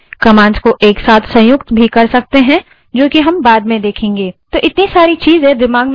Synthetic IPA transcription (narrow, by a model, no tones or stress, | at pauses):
kɐmãːnzkoʔeːksaːt̪ʰsɐ̃jʊkt̪bʱikɐɾsɐk̚t̪eɦɛ̃ | d͡ʒoːkiɦɐmbaːd̪mẽd̪eːkʰẽːŋɡeːt̪oːʔɪt̪nisaːɾit͡ʃiːzɦɛ̃d̪ɪmaːɡm